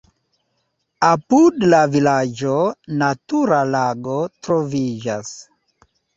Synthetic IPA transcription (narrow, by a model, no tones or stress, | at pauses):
apudlavilad͡ʒonatuɾalaɡo̞tɾo̞vid͡ʒas